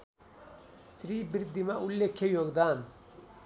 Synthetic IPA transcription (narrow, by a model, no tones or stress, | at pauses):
sɾibiɾd̪imaʔulːekʰejoɡd̪aːn